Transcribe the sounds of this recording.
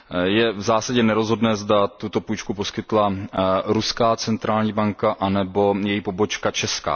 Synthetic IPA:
jɛvzaːsaɟɛnɛɾo̞zɦo̞dnɛːzdat̪ut̪o̞pujt͡ʃkupo̞skɪt̪laɾuskaːt͡sɛnt̪ɾaːlɲiːbaŋkaʔanɛbo̞jɛjipo̞bo̞t͡ʃkat͡ʃɛska̰ː

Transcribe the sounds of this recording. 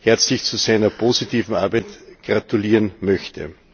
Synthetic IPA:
hɛɐt͡slɪçt͡susæɪnɐpʰozitiːvn̩aɐbæɪtɡ̥ʁatuliːʁnmœçtə̰

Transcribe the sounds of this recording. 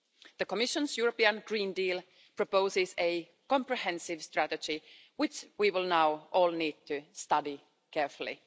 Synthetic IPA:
ðəkɔmɪʃə̃nsjuɹəpiə̃nɡɹĩːndiːl | pɹɔpoʊsɪse | kɔ̃mpɹihɛ̃nsɪʋst̪ɹætəd͡ʒi | wɪt͡ʃwiwɪlˠnaʊʔɔːlˠniːd̚t̪ʰɨst̪ʌdi | kɛɹfʊl̩ˠḭ

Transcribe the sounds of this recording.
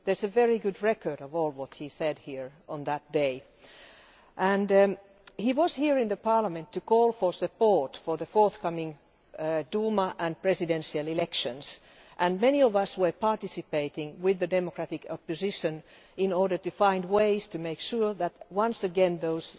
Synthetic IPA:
ðə˞zɨvɛɹiɡʊdɹɛkə˞ɾʌvɔːlˠwʌthisɛd̚hiɹə̃nðət̚d̥eɪ | ʔə̃n | hiwʌz̥hiɹɪ̃nðəpʰɑɹləmɨ̃ntʰːɨkɔːlˠfə˞sɨpɔɹtfə˞ðəfɔɹθkʌmɪ̃ŋ | duməʔə̃npɹ̥ɛsɨdɛ̃nʃiəlˠɪlɛkʃɨ̃ns | ʔɨ̃nmɛniɔvʌswə˞pʰɑɹtɪsɨpeɪɾɪ̃ŋwɪðɨdɛmɔkʰɹ̥æɾɪkʰɔpɨzɪʃɨ̃n | ɪ̃nɔɹɾə˞tɨfãɪ̃ndweɪz̥tʰɨmeɪkʃuɹðætwʌ̃nsɨɡɛ̃nðoʊz̥

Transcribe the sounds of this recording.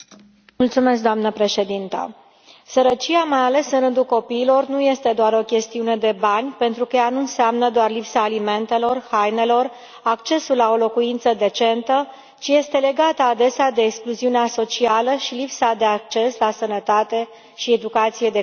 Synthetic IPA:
mult̪sume̞sk̚d̪oamnəpɾe̞ʃe̞d̪int̪ə̰ | səɾət͡ʃiamajale̞sɨnɾɨnd̪ulko̞piːlo̞rnuje̞st̪e̞d̪oaɾo̞kʲe̞st̪iune̞d̪e̞banʲpe̞nt̪ɾukəjanuɨnseamnəd̪oarlipsaːlime̞nt̪e̞lo̞rhajne̞lo̞r | akt͡ʃe̞sulːao̞lo̞kuint̪səd̪e̞t͡ʃe̞nt̪ə | t͡ʃije̞st̪e̞le̞ɡat̪əad̪e̞sead̪eːkskluziuneaso̞t͡ʃialəʃilipsad̪e̞ak̚t͡ʃe̞slasənət̪at̪e̞ | ʃied̪ukat̪sije̞d̪e̞

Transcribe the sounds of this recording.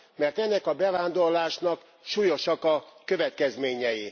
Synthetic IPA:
mɛrt̪ɛnːɛkɒbɛvaːnd̪o̞rlaːʃnɒk | ʃuːjo̞ʃɒkɒkø̞vɛt̪kɛzmeːɲɛji

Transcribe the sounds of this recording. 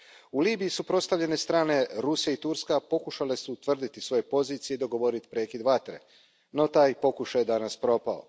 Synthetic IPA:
uliːbijisupɾost̪aʋʎe̞ne̞st̪ɾaːne̞ɾusjait̪uɾskapo̞kuʃale̞sut̪ʋr̩d̪it̪isʋo̞jepo̞ziːt̪sijeid̪o̞ɡo̞ʋo̞ɾit̪i̥pɾe̞ːkid̪ʋat̪ɾe̞̰ | no̞t̪aːjpo̞kuʃajed̪anaspɾo̞ːpao̞̰

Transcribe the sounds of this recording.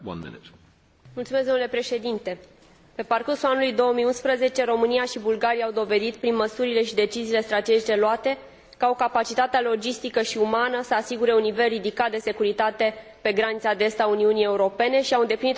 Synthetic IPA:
a̰nmḭnt̪ | mult̪sumezd̪onule̞pɾe̞ʃe̞d̪int̪e̞ | pe̞parkursulanulujd̪o̞omijunspɾəze̞t͡ʃe̞ɾo̞mɨnijaʃibulɡaɾijawd̪o̞ve̞d̪it̪pɾinməsuɾile̞ʃid̪e̞t͡ʃiziːle̞st̪ɾat̪e̞d͡ʒit͡ʃe̞loat̪e̞ | kao̞kapat͡ʃit̪at̪ealo̞d͡ʒist̪ikəʃiumanəsəasiɡuɾe̞unːive̞lrid̪ikat̪̚d̪e̞se̞kuɾit̪at̪e̞pe̞ɡɾanit̪sad̪est̪auniunije̞uɾo̞pe̞ne̞ʃiawɨnd̪eplinit̪

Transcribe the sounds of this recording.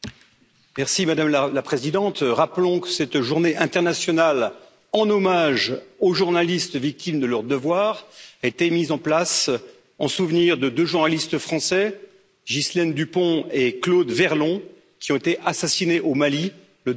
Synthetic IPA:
mɛʁsimad̪amlalapχezid̪ɑ̃t̪ʁaplɔ̃kə̥sɛt̪ʒuʁneʔɛ̃t̪ɛʁnasjɔnal | ɑ̃nɔmaʒoʒuʁnalist̪vik̚t̪imd̪əlœʁd̪əvwaʁet̪emizɑ̃plas | ɑ̃suvniʁd̪əd̪øʒuʁnalist̪fχɑ̃sɛ | ʒislɛnd̪ypɔ̃eklod̪vɛʁlɔ̃ | kʲiɔ̃et̪eʔasasineʔomali | lə

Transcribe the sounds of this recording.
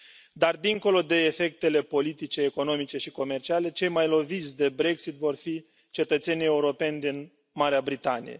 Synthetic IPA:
d̪ard̪iŋko̞lo̞d̪e̞ːfe̞k̚t̪e̞le̞po̞lit̪it͡ʃe̞ːko̞no̞mit͡ʃe̞ʃiko̞me̞rt͡ʃiale̞t͡ʃe̞jmajlo̞vit̪sʲd̪e̞bɾe̞ksit̪vo̞rfi | t͡ʃe̞t̪ət̪senije̞uɾo̞pe̞nʲd̪in | maɾeabɾit̪anḭjḛ

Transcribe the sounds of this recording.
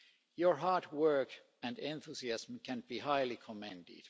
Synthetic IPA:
jɔɹɦɑɹtwɜ˞k | æ̃ndɛ̃nθusiæsm̩kæ̃nb̥iːhaɪlikʰɔmɛ̃ndɪ̰d̥

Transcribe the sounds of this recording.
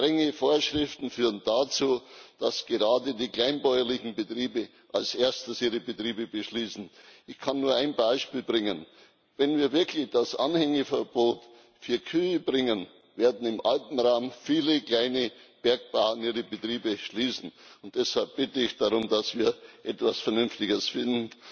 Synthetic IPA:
tʁ̥ɛŋəfoːɐʃʁɪftn̩fyːʁəndat͡suːd̥asɡ̥eʁaːdədiːkl̥aɪnbɔʏɐlɪçn̩bətʁ̥iːbə | ʔalsʔeːɐstəsʔiːʁəbətʁ̥iːbəbəʃliːsn̩ʔɪçkʰanːuːɐaɪnbaɪʃpiːlbʁɪŋən | vɛnviːɐvɪɐklɪçd̥asʔa̰nhɛŋəfɛɐb̥oːt | fyːɐkʰyːəbʁɪŋən | veːɐdn̩ɪmʔaltn̩ʁaʊmfiːləkl̥aɪnəb̥ɛɐk̚b̥aʊəniːʁəbətʁ̥iːbəʃliːsn̩ʊnt̚d̥ɛshalp̚b̥ɪtəɪçd̥aʁʊmdasv̥iːɐʔɛtv̥asfɛɐnʏnftɪɡəsfɪndn̩

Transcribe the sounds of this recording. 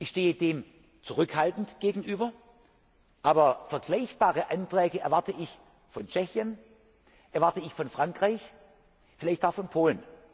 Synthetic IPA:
ʔɪçʃteːədeːm | t͡suʁʏkhaltn̩tɡ̥eːɡŋ̩ʔyːbɐ | ʔaːbɐfɛɐɡlaɪçb̥aːʁəʔantʁ̥ɛːɡəɛɐvaɐtəʔɪç | fɔnt͡ʃɛçjən | ʔɛɐvaɐtəɪçfɔnfʁ̥aŋkʁ̥aɪç | fɪlaɪçtaʊxfɔnpʰoːlən

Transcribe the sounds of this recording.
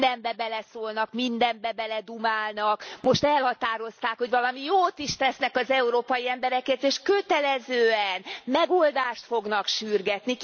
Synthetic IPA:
d̪ɛmbɛbɛlɛsoːlnɒkmind̪ɛmbɛbɛlɛd̪umaːlnɒkmo̞ʃt̪ɛlhɒt̪aːɾo̞st̪aːkho̞ɟvɒlɒmijoːt̪iʃt̪ɛsnɛkɒzɛuɾoːpɒjiɛmbɛɾɛkɛt̪eːʃkøt̪ɛlɛzøːɛnmɛɡold̪aːʃt̪fo̞ɡnɒkʃyrɡɛt̪ni

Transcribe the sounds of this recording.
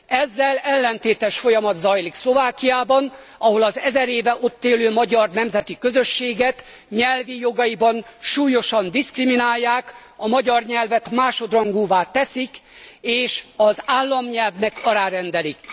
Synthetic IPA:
ɛzːɛlɛlːɛnt̪eːt̪ɛʃfo̞jɒmɒd̪zɒjlikslo̞vaːkijaːbɒn | ɒɦo̞lɒzɛzɛɾeːvɛʔo̞t̪ːeːløːmɒɟɒrnɛmzɛt̪ikø̞zøʃːeːɡɛt̪ | ɲɛlvijo̞ɡɒjibɒnʃuːjo̞ʃɒnd̪iskriminaːjːaːk | ɒmɒɟɒrɲɛlvɛt̪maːʃo̞d̪rɒŋɡuːvaːt̪ɛsikeːʃɒzaːlːɒmɲɛlvnɛkɒɾaːɾɛnd̪ɛlik

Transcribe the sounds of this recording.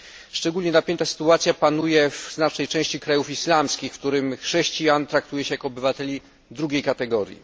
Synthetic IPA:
ʂt͡ʂɛɡulʲɲɛnapʲjɛnt̪asɘ̥t̪uat̪sʲjapanujɛvznat͡ʂnɛjt͡ʂɛ̃w̃ɕt͡ɕikɾajufislamskʲixft̪uɾɘmxʂɛɕt͡ɕijant̪ɾakt̪ujɛɕɛjakɔɔbɘvat̪ɛlʲi | d̪ɾuɡʲejkat̪ɛɡɔɾʲjḭ

